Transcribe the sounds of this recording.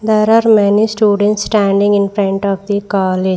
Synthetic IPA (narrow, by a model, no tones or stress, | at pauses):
d̪eːɾaːɾmɛnisʈuːɖə̃ɳʈsːʈæ̃ɳɖĩŋɡɪ̃nfɾẽɳʈɔːfd̪ikɔːled͡ʒ